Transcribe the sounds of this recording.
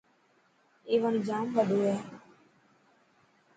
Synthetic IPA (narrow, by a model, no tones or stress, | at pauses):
eːʋənd͡ʒaːmʋəɗoːɛː